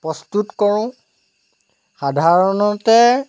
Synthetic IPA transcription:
pɹɔstutkɔɹʊ̃ | xadʱaɹɔnɔtɛ

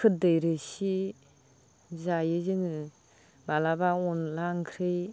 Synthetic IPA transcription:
kʰɯt̚dɯjɾɯsi | zajɯzɯŋɯ | balabaɔnlaŋkʰɾɯj

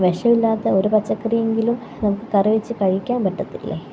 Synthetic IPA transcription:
ʋeʂɐʋilːaːt̪ːɐo̞ɾupɐt͡ɕːɐkːɐrije̞ŋɡilum | nɐmukːɨkɐriʋit͡ɕːɨkɐɻikʲːaːmpɐʈːɐt̪ːilːḛ

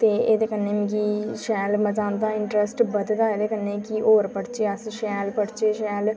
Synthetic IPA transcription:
t̪eːeːd̪eːkənːeːmkiʃɛːlməd͡ʒãːnd̪aːɪɳʈɾəsʈbəd̪d̪aːeːd̪eːkənːeːkiʔoːɾpəɽt͡ʃeːəsʃɛːlpəɽt͡ʃeːʃɛːl

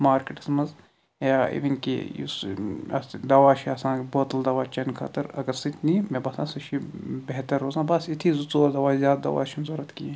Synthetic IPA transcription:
maːɾkeʈɐ̥smɐz | jaːḭʋinkḭjṵsɐ̰sd̪ɐʋaːʃiɐsãːboːt̪ɐld̪ɐʋaːt͡ʃɐnkʰɐ̰ːt̪ɐɾɐ̰ɡɐɾsit̪nimẽbɐsãːsɐʃibeɦt̪ɐɾːoːzãːbɐsit̪ʰizut͡soːd̪ɐʋaːzjaːd̪d̪ɐ̰ʋa̰ːʃʰimzɐɾɐt̪kie

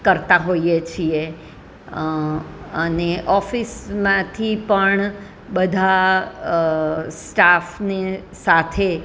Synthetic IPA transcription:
kəɾt̪aɦoiet͡ʃʰie | əneʔɔfismãt̪ʰipəɳ | bəd̪ʱa | sʈafne | sat̪ʰe

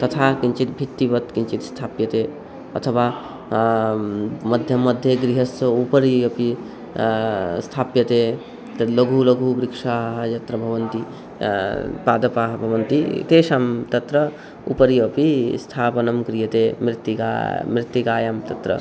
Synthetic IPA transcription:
t̪ɐt̪ʰakint͡ʃit̪bʱit̪ːiʋɐt̪kint͡ʃit̪st̪ʰaːpjɐt̪e | ɐ̰t̪ʰɐʋa | mɐd̪ʱjɐmɐd̪ʱjeɡɾiɦɐsɐupɐɾijopi | st̪ʰaːpjɐt̪e | t̪ɐlɐɡʱulɐɡʱubɾikʂaːɦɐjɐt̪ɾɐbʱɐʋɐnt̪i | paːd̪ɐpaːɦɐbʱɐʋɐnt̪it̪eːʃaːmt̪ɐt̪ɾɐ | ṵpɐɾijopist̪ʰaːpɐnɐmɡɾijɐt̪emɾit̪ːika̰mɾɪt̪ːikaːjamt̪ɐt̪ɾɐ̰

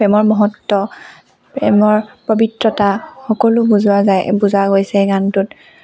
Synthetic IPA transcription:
pɛmɔɹmɔɦɔtːɔ | pɛmɔɹpobitɹɔtaxɔkɔlʊbuzʊwazajbuzaɡojsɛɡantʊt

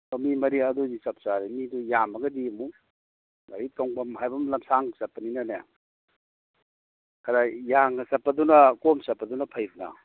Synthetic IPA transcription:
ɐmimɐɾiɐdudisɐp̚saɾimidujamɐɡɐdimu | naɾitoŋbamɦajbɐmlɐmsaŋsɐpːɐninɐne | kɐɾajaŋɐsɐpːɐdunɐkomsɐpːɐdunɐpʰajbna̰

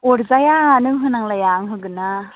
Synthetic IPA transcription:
ɔɾzajaːnɯɦɯnaŋlajaŋɦɯɡɯna

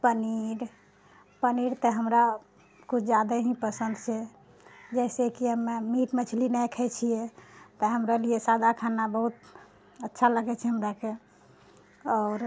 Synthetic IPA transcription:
pəniɾ | pəniɽt̪əɦəmɾa | kut͡ʃʰd͡ʒad̪əɦĩpəsənd̪t͡ʃʰɛ | d͡ʒɛsekiəmːemiʈmət͡ʃʰlinɛjkʰɛjt͡ʃʰijet̪əɦəmɾalijesad̪ʱakʰanabəɦut̪ | ətːʃʰaləɡɛt͡ʃʰɛɦəmɾake | ɔːɾ

